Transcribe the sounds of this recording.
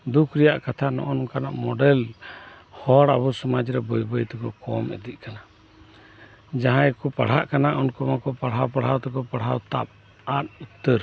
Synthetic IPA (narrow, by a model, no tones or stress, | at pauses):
d̪ukʰɾɛjaʔkat̪ʰanɔ̰ʔɔnɔkana̰ʔmɔɖɛl | hɔɽa̰bɔsɔmad͡ʒɾɛbɔjbɔjt̪ɛkɔkɔmɛ̰d̪iʔ̚kana | d͡ʒaɦãɛkupaɽ̤aʔkanaʔɔnkɔmakɔpaɽ̤ɦawpaɽ̤awt̪ɛkɔpaɽ̤awt̪ap̚ | at̪̚ut̪ːəɾ